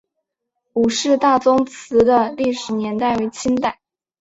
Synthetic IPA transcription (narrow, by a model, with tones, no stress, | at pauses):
u˨˩ʂɻ̩˥˧t̪a˥˩t͡sʊ˥ŋt͡sʰɹ̩˧˥d̪ə˧li˥˩ʂɻ̩˨˩njɛ˧˥nt̪a˥˩ɪwe˧˥ɪt͡ɕʰi˥nt̪a˥˩ɪ